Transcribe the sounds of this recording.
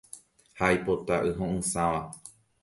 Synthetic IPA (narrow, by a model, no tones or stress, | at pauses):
hajpot̪aʔɨɦõʔɨ̃sãʋa